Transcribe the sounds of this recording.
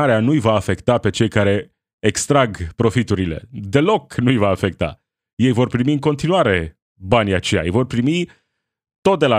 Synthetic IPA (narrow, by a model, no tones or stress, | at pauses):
aɾeanujvaːfe̞kt̪ape̞t͡ʃe̞jkaɾe̞ | ekst̪ɾaɡpɾo̞fit̪uɾile̞̰d̪e̞lo̞knujvaːfe̞k̚t̪a̰ | je̞jvo̞rpɾimiɨŋko̞nt̪inuaɾe̞ | banʲja̰t͡ʃeja̰jvo̞rpɾimi | t̪o̞t̪̚d̪e̞la